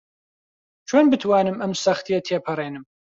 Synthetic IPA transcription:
t͡ʃʰoːnbɨt̪ʰwaːnɨmʔɐmsɐxt̪ijɐt̪ʰeːpʰɐreːnɨm

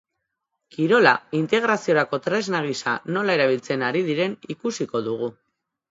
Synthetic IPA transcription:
kiɾo̞laint̪e̞ɣ̞ɾasio̞ɾako̞t̪ɾe̞znaɣ̞isano̞lae̞ɾaβ̞ilt͡se̞naɾið̞iɾe̞nikusiko̞ðuɣ̞u

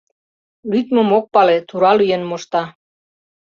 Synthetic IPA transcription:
lyt̪mə̆mok̚pɑlet̪uɾɑlyjenmoʃt̪ɑ

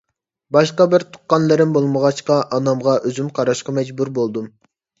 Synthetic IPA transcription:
bɑʃqɑbɪɾt̪ʰʊ̥qːɑnlˠɨɾɪnbolˠməʁɑʃqɑʔɑnɑmʁɑʔøzymqʰɑɾɑʃqɑmɛd͡ʒbuɾbolˠd̪um

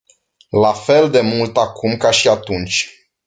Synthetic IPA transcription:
lafe̞ld̪e̞mult̪akumkaʃiat̪unt͡ʃʲ

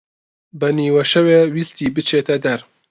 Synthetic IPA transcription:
bɐniːwɐʃɐweːwist̪iːbɨt͡ʃʰeːt̪ɐd̪ɐɾ

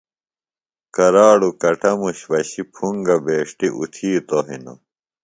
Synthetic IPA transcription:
kɐɾaːɽukɐʈʰɐmuɕʋɐɕipʰuŋɡɐbeːʂʈiʔṵt̪ʰiːt̪oɦḭno̰

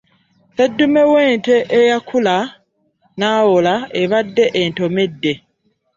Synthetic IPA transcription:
sedːume̞we̞ːnte̞ʔejakʰula | naːwolaeβadːe̞ʔento̞medːe̞

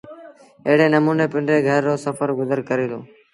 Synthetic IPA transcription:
eɦɽeːnəmuːneːpɪɳɖɾeːɡʱəɾːoːsəfəɾɡʊzəɾkəɾiːloː

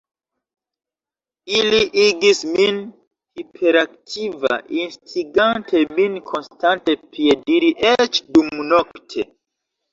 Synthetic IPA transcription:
iliʔiɡismin | hipʰeɾaktʰiva̰ʔinstɾiɡantʰe̞minkʰo̞nstante̞piediɾiʔet͡ʃdumnoktʰe̞

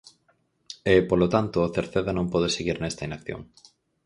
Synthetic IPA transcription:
epolot̪ant̪ʊːθeɾθeðanõmpɔðeseɣiɾnɛst̪ainakθjo̰ŋ

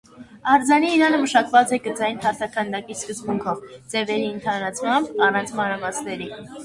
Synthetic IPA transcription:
ɑɾd͡zɑniːɾɑnəməʃɑkvɑt͡sɛɡət͡sɑjnpʰɑɾt̪ʰɑkʰənd̪ɑkiskəzbuŋkʰɔvd͡zɛvɛɾiːnt̪ʰɑɾɑt͡sʰmɑmbɑrɑnt͡sʰmɑnɾɑmɑsnɛɾi

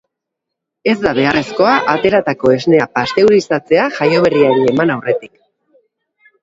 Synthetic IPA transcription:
e̞zd̪aβ̞e̞aresko̞aʔat̪e̞ɾat̪ako̞e̞zne̞apast̪e̞wɾisat͡se̞aʝajoβe̞riaeie̞manawre̞t̪ik

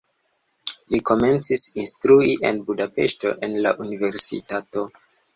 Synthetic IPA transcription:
liko̞me̞nt͡sisinstɾuiʔe̞̰nbudape̞̰ʃto̞̰ʔe̞nla̰ʔunive̞ɾsḭtato̞

